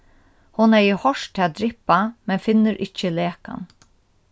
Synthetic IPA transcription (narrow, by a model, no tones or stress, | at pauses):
hʊnɛjɪhɔʂʰɪad̪ɾɪpːamɛnfɪnːəɾʔɪt͡ʃːəleːka̰n